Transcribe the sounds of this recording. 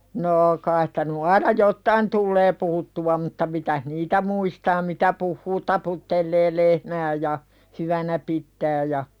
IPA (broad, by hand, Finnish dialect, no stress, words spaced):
noː kɑis stæ ny ɑinɑ jotːɑin tulːeː puhutːuwɑ mutːɑ mitæh niːtæ muistɑː mitæ puhːuː tɑputːelːeː lehmæː jɑ hyʋænæ pitːæː jɑ